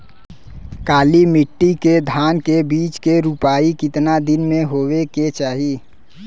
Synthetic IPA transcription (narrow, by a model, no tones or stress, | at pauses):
kaːlimɪʈːiked̪ʱaːnkebiːt͡ʃkeɾupaːikɪt̪nad̪ɪnmẽɦoːweket͡ʃaːɦi